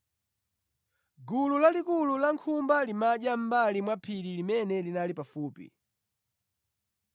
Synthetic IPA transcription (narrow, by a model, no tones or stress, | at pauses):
ɡululalikululaŋkʰumbalimaʄam̩balimwapʰililimɛnɛlinalipafuːpḭ